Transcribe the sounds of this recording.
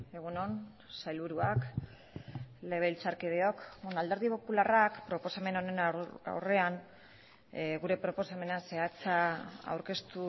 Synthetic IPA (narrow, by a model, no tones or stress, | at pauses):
e̞ɣ̞uno̞n | sajlβuɾuak | le̞β̞e̞lt͡saɾkeðeokonald̪e̞ɾð̞ipo̞pularakpɾo̞po̞same̞no̞nena̰wre̞an | ɣuɾe̞pɾo̞po̞same̞nase̞at͡saa̰wɾke̞st̪u